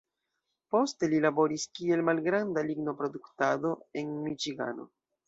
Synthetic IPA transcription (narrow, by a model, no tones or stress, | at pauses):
po̞ste̞lilabo̞ɾiskie̞lmalɡɾandaliɡno̞pɾo̞duktado̞e̞nmit͡ʃiɡa̰no̞̰